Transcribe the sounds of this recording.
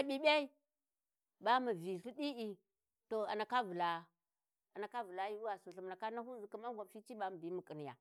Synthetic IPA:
a˦ɓi˦ɓe˦i˦ | ba˦mu˨vi˨ɬi˦ɗi˦i˨ | to˨a˨na˨ka˦vu˨la˨ | a˨na˨ka˦vu˨la˦ji˦u˦wa˨su˨ɬu˨m˨a˨ka˦na˦hu˦zi˨ku˦ma˦ŋ˦ɡʷa˨fi˦t͡ʃi˦ɓa˦ma˨bi˨˦mu˨ki˨ni˨ja̰˨

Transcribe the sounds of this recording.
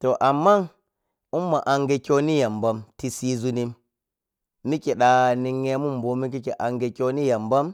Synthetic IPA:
to˨ʔa˨mːa˦n | u˦mːa˨ʔa˨ŋɡe˨kʲo˦ni˦ja˨mba˦mti˨si˦zu˦ni˦m | i˦ke˨ɗa˨ni˨ŋːe˦mu˦mbo˨˦mi˦k̬i˦ke˨ʔa˨ŋɡe˨kʲo˦ni˦ja˨mba˦m

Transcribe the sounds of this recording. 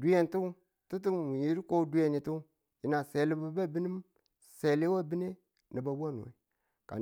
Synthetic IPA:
du˦je˦ntu˦ | tu˦t̬u˦m˨wi˨ji˦ɾi˦ko˦du˦je˦ni˨tu˦ | ji˨na˨se˨li˦bu˦ba˦bi˦ni˦m | se˨le˦wa˦bi˦ne˦ | ni˨ba˨ba˦˨nṵ˨wḛ˨ | ka̰˨

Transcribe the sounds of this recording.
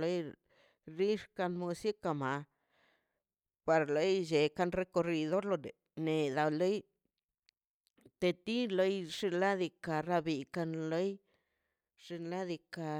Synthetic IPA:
lo˦j | ɾi˦ʂka˧nmu˧si˦ka˧ma˧ | pa˧ɾlo˦jd͡ʒe˨ka˧nɾe˧ko˧ɾi˧d̪o˦ɾlo˧ne˨ | ne˨d̪a˧lo˦j | t̪e˧t̪i˦lo˦jʐ̥i˧nla˦d̪i˧ka˧ɾa˧bi˨ka˧nlo˦j | ʐ̥i˧nla˦d̪i˧ka˧

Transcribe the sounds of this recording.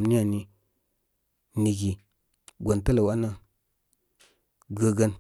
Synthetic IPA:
m˦ni˦a˨ni˨ | ni˨ɡi˨ | ɡʷo˨ntə˦lə˨wa˦na˦ | ɡə˨ɡə˦n

